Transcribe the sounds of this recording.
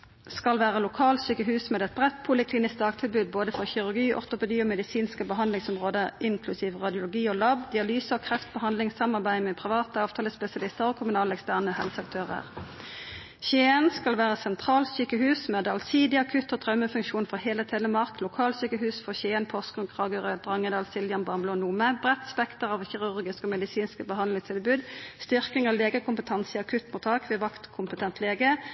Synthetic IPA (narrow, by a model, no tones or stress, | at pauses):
skɑlʋæːʁəlʊkʰɑːlt̪syːkəɦʉːsmeːd̪ɛt̪̚bʁɛt̪pʰʊlɪkʰliːnɪsk̚d̪ɑːɡt̪ʰɪlbʉːd̪̚boːd̪əfɔʁçɪʁʉʁɡiːʔɔ̰ʁt̪ʊpɛd̪iːoːmɛd̪ɪsiːnskəbəɦɑnlɪŋsɔmʁoːd̪əɪŋkʰlʉsiːʋʁɑd̪ɪʊlʊɡiːoːlɑbd̪ɪɑlyːsəokʰʁɛft̪̚bəhɑnd̪lɪŋsɑmɑʁbæɪmeːpʰʁɪʋɑːt̪əɑːʋt̪ʰɑːləspɛsɪɑlɪst̪əʁoːkʰʊmʉnɑːlɛkst̪æʁnəhɛlsɑk̚t̪ʰøːʁə̰ʁ | çeːənskɑlʋæːʁəsɛnt̪ʰʁɑːlsyːkəhʉːsmɛd̪ɑlsiːd̪ɪɑkʰʉt̪ːot̪ʰʁɑʉməfʉŋʃuːnfɔheːlət̪ʰɛləmɑʁklʊkʰɑːlsyːkəhʉːsfɔçeːənpʰɔskɔnkʰʁɑːɡəʁøːd̪ʁɑŋːəd̪ɑːlsɪljɑnbɑʁmbloːnuːməbʁɛt̪spɛkt̪əʁɑːʋçɪʁʉʁɡɪskoːmɛd̪ɪsiːnskəbəhɑnlɪŋst̪ʰɪlbʉːd̪st̪ʏʁkɪŋɑʋleːɡəkʰʊmpət̪ʰɑnsəɑkʰʉt̪mʊːt̪ʰːɑːkʋeʋɑkt̪kʰʊmpət̪ʰɛnt̪ʰleːɡə